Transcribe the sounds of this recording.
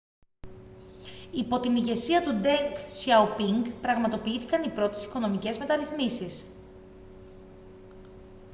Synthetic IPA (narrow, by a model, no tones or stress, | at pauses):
ipo̞t̪iniʝe̞siɐt̪ud̪eŋksçɐupiŋɡpɾɐɣmɐt̪o̞piiθi̥kɐnipɾo̞t̪e̞si̥ko̞no̞mice̞zme̞t̪ɐɾiθmisis